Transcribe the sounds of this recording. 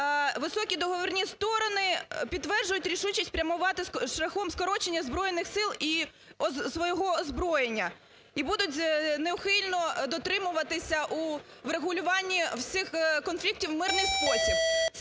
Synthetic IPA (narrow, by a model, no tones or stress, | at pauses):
ʋɪsɔkʲid̪ɔɦɔʋɔrʲnʲist̪ɔɾɔnɪpʲidt̪ːʋɛrʒʊjʊtʲɾʲiʃut͡ʃisʲtʲpɾʲɐmʊʋɑt̪ɪʃlʲɐxɔmskɔɾɔt͡ʃenʲːɐzbɾɔjenɪxsɪlˠi | sʋɔjɔɦɔzbɾɔjenʲːɐ | ibud̪ʊtʲneʊxɪlʲnɔd̪ɔt̪ɾɪmʊʋɐt̪ɪsʲɐʔuʋɾeɦʊlʲʊʋɑnʲːiwsʲɪxkɔnflʲik̚tʲiwmɪrnɪjspɔsʲi